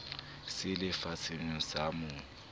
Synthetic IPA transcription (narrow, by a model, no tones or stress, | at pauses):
sɪlɪfat͡sʰʼɪŋ̩samʊ